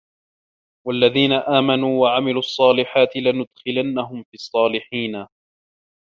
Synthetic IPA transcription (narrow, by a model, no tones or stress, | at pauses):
walːaðiːnaʔaːmanuːwaʕamɪluːʔɑsˤːɑːlɪħaːt̪ɪlanʊd̪xɪlanːaɦʊmfiɑsˤːɑːlɪħiːna